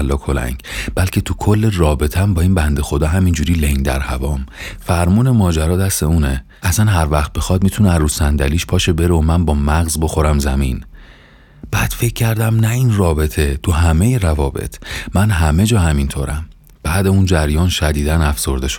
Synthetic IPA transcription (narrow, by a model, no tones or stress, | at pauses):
lːɒːkʰo̞læ̰ŋɟb̥ælcʰe̞t̪ʰukʰolːerɒːbe̞t̪ʰæmbɒːiːnbænd̪e̞xo̞d̪ɒːɦæmind͡ʒuːɾiːleŋd̪æ̰ɾhæ̰vɒːmfæɾmuːnemɒːd͡ʒæɾɒːd̪æst̪euːne | æsænɦæɾvæχt̪̚bexɒd̪̚mit̪ʰuneæɾusænd̪æliːʃpʰɒːʃe̞be̞ɾeomænbɒːmæɣzbo̞xo̞ɾæmzæmin | b̥æːd̪̥fe̞cʰːæɾd̪æmnæinrɒːbe̞t̪ʰe̞t̪ʰuɦæmejeɾævɒːbḛt̪ʰmænɦæme̞d͡ʒɒːhæmint̪ʰo̰ːɾʔæm | b̥æːd̪eund͡ʒæɾjɒːnʃæd̪iːd̪ænæfso̞ɾd̪e̞ʃo